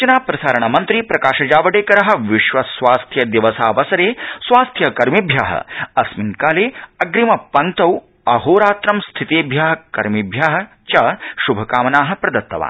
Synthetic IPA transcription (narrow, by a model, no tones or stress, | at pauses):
t͡ʃɐnaːpɾɐsaːɾɐɳɐmɐnt̪ɾipɾɐkaːʃɐd͡ʒaːʋɐɽeːkɐɾɐɦɐ̆ʋiʃʋɐsʋaːst̪ʰjɐd̪iʋɐsaːʋɐsɐɾeːsʋaːst̪ʰjɐkɐɾmibʱja̰ːɦɐ̰ɐsminkaːleːɐɡɾimɐpɐŋt̪ɐw | ɐɦoːɾaːt̪ɾɐmst̪ʰit̪eːbʱjaːɦɐkɐɾmibʱjaːɦɐ̆ | t͡ʃɐʃubʱɐkaːmɐnaːɦɐ̆pɾɐd̪ɐt̪ːɐ̰ʋa̰ːn